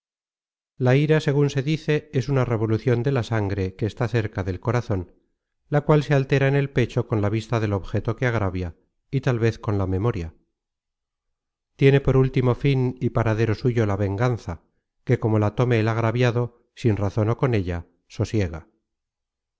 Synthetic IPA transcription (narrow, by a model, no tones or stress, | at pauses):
laiɾase̞ɣunse̞ðiθe̞e̞sunare̞β̞o̞luθjo̞nd̪e̞lasaŋɡɾe̞keːst̪aθe̞ɾkaðe̞lko̞ɾaθo̞n | lakwalsealt̪e̞ɾaene̞lpe̞t͡ʃo̞konlaβ̞ist̪aðe̞lo̞βxe̞t̪o̞keaɣ̞ɾaβja | it̪alβe̞θko̞nlame̞mo̞ɾja | t̪je̞ne̞po̞ɾult̪imo̞finipaɾaðe̞ɾo̞suʝo̞laβe̞ŋɡanθa | ke̞ko̞mo̞lat̪o̞me̞ːlaɣɾaβjaðo̞ | sinraθo̞no̞ko̞ne̞ʎa | so̞sje̞ɣa